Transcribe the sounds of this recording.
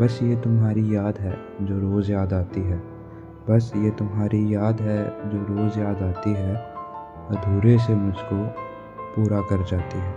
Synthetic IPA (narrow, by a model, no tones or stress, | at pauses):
bɐsjet̪ʊmɦaːɾijaːd̪ɦɛː | d͡ʒoːɾoːzjaːd̪aːt̪iɦɛː | bɐsjet̪ʊmɦaːɾijaːd̪ɦɛd͡ʒoːɾoːzjaːd̪aːt̪iɦɛ | d̪ʱuːɾesemʊd͡ʒʱko | puːɾakɐɾd͡ʒaːt̪iɦɛː